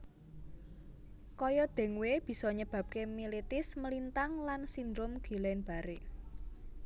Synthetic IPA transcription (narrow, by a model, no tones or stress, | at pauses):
kɔjɔd̪̥ɛ̤ŋweb̥i̤sɔɲəb̥ä̤p̚kemilit̪ɪsməlint̪aŋlansind̪ɾʊmɡ̥i̤lɛnb̥a̤ɾeʔ